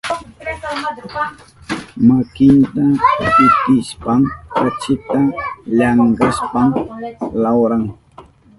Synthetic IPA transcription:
makɪnt̪apɪt̪ɪspamkat͡ʃɪt̪aʎaŋɡaspamlawɾaŋ

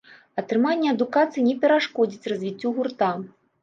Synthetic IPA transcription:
ɐt̪ɾɨmanʲːɛɐd̪ukat̪sɨjinʲɛpʲɛɾaʂkɔd͡zʲit͡sʲrɐzʲvʲit͡sʲːɔɣurt̪a

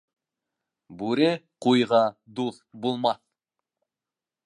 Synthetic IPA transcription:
bʉɾequjʁɑd̪uθbulˠmɑθ

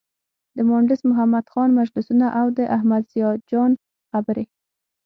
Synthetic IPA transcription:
d̪̥əmɑɳɖɪsmʊɦamad̪xɑnmad͡ʒlɪsunaʔawd̪əʔahmad̪z̥ijɑd͡ʒɑn | xabəɾe

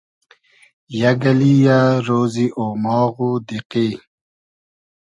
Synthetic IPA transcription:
jaɡɐlijaɾoːziʔoːmɑːɣud̪iqi

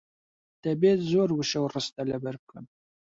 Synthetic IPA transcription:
t̪ɛbeːt̪zoːɾwɨʃɐwrɨst̪ɐlɛbɐɾkɨn

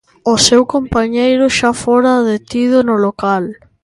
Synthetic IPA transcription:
ʊsewkompaɲejɾʊʃafoɾaðet̪iðʊnʊlokal

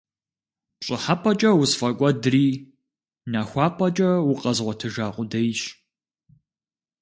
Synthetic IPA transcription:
ɕʼɪħapʰʼɐt͡ʃʼɐwʊsfɐkʷʼɔdriː | naːxʷɑːpʰʼɐt͡ʃʼɐwʊqʼɐzʁʷɔtʰɨʒaːqʷʼʊdɐjɕ

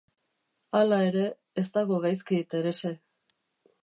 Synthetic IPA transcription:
alae̞ɾe̞ː | st̪aɣo̞ɣajskiet̪e̞ɾe̞se̞

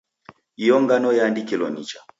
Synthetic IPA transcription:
ijɔŋɡanɔjandikɛlɔ̰nit͡ʃa

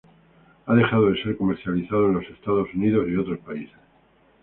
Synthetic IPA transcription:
aðe̞xaðoðe̞se̞ɾko̞meɾθjaliθað̞oe̞nlo̞se̞st̪að̞o̞suniðosio̞t̪ɾo̞spaises

